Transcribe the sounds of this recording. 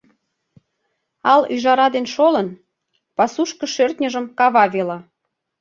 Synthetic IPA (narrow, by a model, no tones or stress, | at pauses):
ɑlyʒɑɾɑd̪enʃolən | pɑsuʃkəʃørt̪nʲəʒəmkɑβɑβelɑ